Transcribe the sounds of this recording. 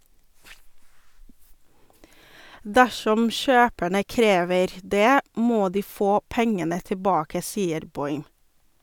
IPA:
ˈdæʃɔm ˈʃøːpæɳə ˈkɾeːʋəɾ ˈdeː ˈmoː ˈdiː ˈfoː ˈpɛŋənə təˈbɑːkə ˈsiːəɾ ˈbɔʏm

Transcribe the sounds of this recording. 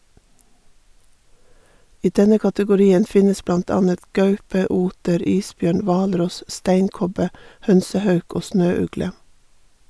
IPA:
ˈiː ˈdɛnə kɑtəɡʊˈɾiːən ˈfɪnəs ˈblɑnt ˈɑːnət ˈɡœʉpə ˈuːtəɾ ˈiːsˌbjøːɳ ˈʋɑːlˌɾɔs ˈstæɪŋˌkɔbə ˈhœnsəˌhœʉk ˈoː ˈsnøːˌʉɡlə

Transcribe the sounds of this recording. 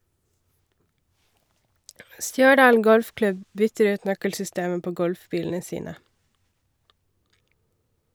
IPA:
ˈstjœˌɖɑːl ˈɡɔlfˌklʉb ˈbʏtəɾ ˈʉːt ˈnœkəlsʏˌsteːəm ˈpoː ˈɡɔlfˌbiːln̩ə ˈsiːnə

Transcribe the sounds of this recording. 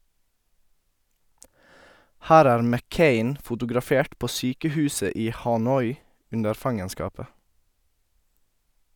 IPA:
ˈhæːɾ ˈæːɾ mɛˈkeɪn fʊtʊɡɾɑˈfeːʈ ˈpoː ˈsyːkəˌhʉːsə ˈiː hɑˈnɔʏ ˈʉndəɾ ˈfɑŋənskɑːpə

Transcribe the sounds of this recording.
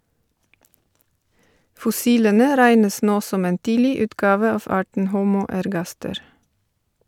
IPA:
fɔˈsiːlənə ˈɾæɪnəs ˈnoː ˈsɔm ˈeːn ˈtiːlɪ ˈʉːtˌɡɑːʋə ˈɑːʋ ˈɑːʈɳ̩ ˈhuːmuː ɛɾˈɡɑstəɾ

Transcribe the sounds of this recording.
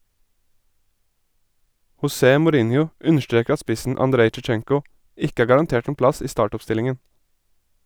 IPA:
hʊˈseː mʊˈɾɪnjʊ ˈʉnəʃˌtɹeːk ˈɑ ˈspɪsn̩ ɑnˈdɾeɪ t͡ʃɛˈt͡ʃɛŋkʊ ˈɪk ˈæː ɡɑɾɑnˈteːʈ ˈeːn ˈplɑs ˈiː ˈstɑːʈʊpˌstɪlɪŋən

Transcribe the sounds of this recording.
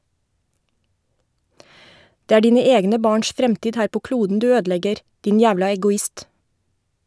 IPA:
ˈdeː ˈæː ˈɖiːnə ˈeːɡnə ˈbɑːɳʃ ˈfɾɛmtiːd ˈhæːɾ ˈpoː ˈkluːdn̩ ˈdʉː ˈøːdˌlɛɡəɾ ˈdɪn ˈjæːʋlɑ ɛɡʊˈɪst

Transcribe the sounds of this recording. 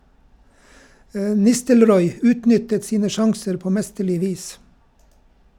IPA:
ə ˈnɪstəlˌɾɔʏ ˈʉːtˌnʏtət ˈsiːnə ˈʃɑŋsəɾ ˈpoː ˈmɛstəˌɭɪ ˈʋiːs

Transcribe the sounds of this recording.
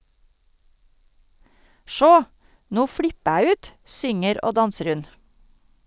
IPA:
ˈʃoː ˈnuː ˈfɽɪpə ˈæː ˈʉːt ˈsʏŋəɾ ˈoː ˈdɑnsəɾ ˈhʉn

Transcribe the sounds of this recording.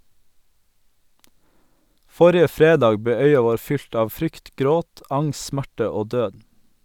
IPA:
ˈfɔɾɪə ˈfɾeːˌdɑːɡ ˈbeː ˈœʏɑ ˈʋoːɾ ˈfʏlt ˈɑːʋ ˈfɾʏkt ˈɡɾoːt ˈɑŋs ˈsmæʈə ˈoː ˈdøːd

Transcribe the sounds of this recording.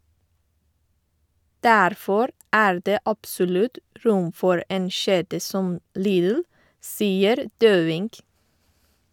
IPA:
ˈdæɾfɔɾ ˈæːɹ ˈdeː ˈʔɑpsɔlʉt ˈɹʊm ˈfɔɹ ˈeːn ˈʃeːdə ˈsɔm ˈliːðl̩ ˈsiːəɾ ˈdøːʋɪŋɡ

